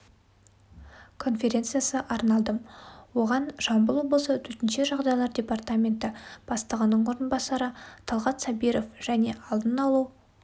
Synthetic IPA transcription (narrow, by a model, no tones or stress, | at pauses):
kʰo̞nfʲe̞ɾʲe̞nt̪sɨjasəʔɑɾnɑlˠd̪əmwo̞ʁɑnʒɑmbəlˠwo̞blˠəsət̪ʰɵt̪ɪnʃe̞ʒɑʁd̪ɑjlˠɑɾd̪ʲe̞part̪amʲe̞nt̪ɪb̥ɑst̪əʁɑnːəɴwo̞ɾənbɑsɑɾət̪ʰɑlˠʁɑt̪sɑbijɾo̞fʒ̥æne̞ʔɑlˠd̪ənɑlˠuw